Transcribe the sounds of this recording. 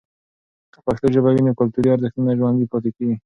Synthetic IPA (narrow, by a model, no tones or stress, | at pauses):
k̪əpaxt̪oʒabawinekʊlt̪uɾiaɾzɪxt̪inaʒwand̪ipɔt̪ekeɡi